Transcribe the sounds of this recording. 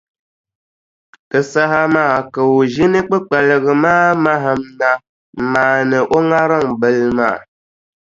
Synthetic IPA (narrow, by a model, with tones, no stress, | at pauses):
kɨ˨sa˦ɦa˦maː˦˨kə˨wo˨ʒi˦nɨ˦k͡pɨ˦k͡pɛ˨lə˨ɣɨ˨maː˦ma˦ɦa˨mna˨ | maː˨nɨ˨ʔo˦ŋa˦ɾə˦˨ŋbə˨lma̰ː˦˨